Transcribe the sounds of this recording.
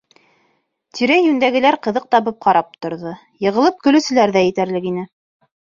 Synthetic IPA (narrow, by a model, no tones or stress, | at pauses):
t̪ʰiɾæjʉnd̪æɡɘ̆læɾqɤ̆ðɤq̚t̪ɑβɤp̚qɑɾɑp̚t̪ŏɾðɤ | jɤ̆ʁɤ̆lˠɤp̚kɵ̆lɵ̆sɘ̆læɾðæjɘ̆t̪æɾlɘkinɘ